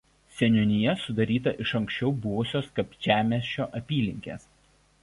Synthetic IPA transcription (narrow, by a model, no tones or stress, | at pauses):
sʲɛnʲɔnʲɪjɛsʊd̪ɐɾʲiːt̪ɐʔɪʃɐŋʲksʲt͡ʃʲɛʊbʊʋʊsʲoːskɐpʒʲæːmʲeːsʲt͡ʃːʲoːʔɐpʲiːlʲɪŋʲkʲḛːs